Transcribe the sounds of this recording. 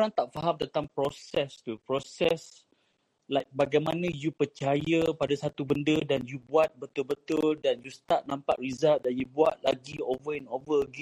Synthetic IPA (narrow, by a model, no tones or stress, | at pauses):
ɾãŋt̪aʔ̚faɦãmt̪ənt̪ãmpɾɔsɛst̪upɹɔsɛs | lajk̚baɡajmãnãjupət͡ʃajəpadasat̪ubəndədanjubuat̪̚bət̪ulbət̪ʊldanjust̪at̪̚nãmpa̰ʔ̚ɹizalt̪̚danjubuat̪̚la̰ɡiovəɛ̃novəəɡɛ̃